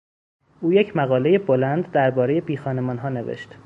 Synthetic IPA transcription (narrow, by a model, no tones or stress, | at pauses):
ʔuːje̞cʰmæɣɒːle̞jebolænd̪d̪æɾbɒːɾe̞je̞biːxɒːne̞mɒːnɦɒːne̞vḛʃt̪